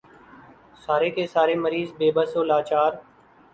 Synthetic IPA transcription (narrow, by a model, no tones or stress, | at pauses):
saːɾeːkeːsaːɾeːməɾiːzbeːbəsoːlaːt͡ʃaːɾ